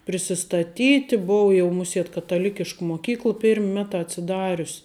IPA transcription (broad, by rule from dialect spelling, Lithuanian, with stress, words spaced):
pʲrʲɪsʲɪstɐˈtʲiːtʲɪ ˈboːw jɛʊ ˈmʊˌsʲiɛt kɐtɐˈlʲɪkʲɪʃk moːˈkʲiːklˠ ˈpʲɪrʲmʲ ˈmʲæːˌtɑː ɐtʲsʲɪˈdɑːrʲʊs